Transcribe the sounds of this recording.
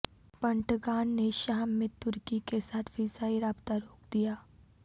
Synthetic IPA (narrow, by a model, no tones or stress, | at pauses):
pɐ̃ɳʈɡaːnːeʃaːmːẽt̪ʊɾkikesaːt̪ʰfɪzaːiɾaːbt̪aɾoːk̚d̪ijaː